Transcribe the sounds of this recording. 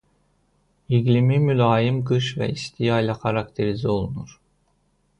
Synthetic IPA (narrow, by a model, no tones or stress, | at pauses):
iɡlʲimimylaːjimɡɯʃvɛ̰ist̪ʰijajlʲˠakʰaɾakt̪ʰeɾizio̞lˠunuɾ̥